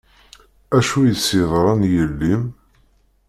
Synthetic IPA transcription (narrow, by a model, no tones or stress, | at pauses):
æʃujəsːɪðˤɾˤɑnjəlːim